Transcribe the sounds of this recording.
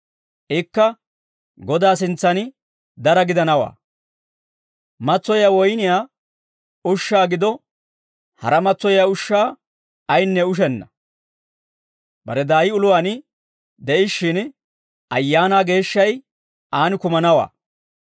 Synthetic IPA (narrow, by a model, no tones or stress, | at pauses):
ʔɪkːɐ | ɡɔd̪aːs̬ɪnt͡sːɐnɪ | d̪ɐɾɐɡɪd̪ɐnɐwa̰ː | mɐt͡sːɔjaːwɔjnɪjaː | ʊʃːaːɡɪd̪ɔ | hɐ̰ɾɐmɐt͡sːɔjaʊʃːaː | jnːɛʊʃ̬ɛnːɐ | bɐɾɛd̪aːjɪʊlʊwaːnɪ | d̪ɛʔɪʃːɪn | ɐjːaːnaːɡe̞ːʃːɐj | ʔaːnɪkʊmɐnɐwa̰ː